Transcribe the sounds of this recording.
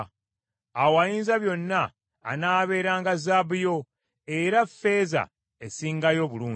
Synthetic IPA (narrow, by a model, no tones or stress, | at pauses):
awajiːnzaβjo̞nːa̰ː | naːβe̞ːɾaːŋɡazabujo̞ | eɾafe̞ːza̰ | esiːŋɡajo̞ːβuluː